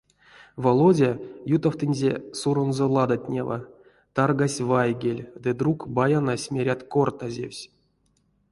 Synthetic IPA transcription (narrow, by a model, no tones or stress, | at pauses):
volˠodʲajut̪awt̪ɨnʲzʲesuɾonzolˠad̪atʲnʲḛva̰ | t̪arɡasʲvajɡʲelʲd̪ɨd̪ɾukbajanasʲmʲeɾʲat̪kort̪azʲḛfsʲ